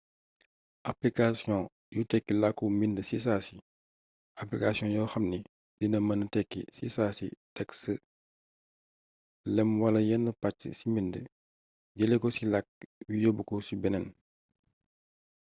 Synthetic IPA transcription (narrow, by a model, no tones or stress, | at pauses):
ʔaplikasjɔ̃ | jutɛkːilakːumindəsisaːsi | aplikasijɔ̃jɔxɐmni | dinɐmɐnətɛkːḭsḭsasḭtɛksə | lɛmwalɐjɛnːəpat͡ʃːə̰simində | ɟɛlekɔsilak̚wijɔbukɔsibɛnɛn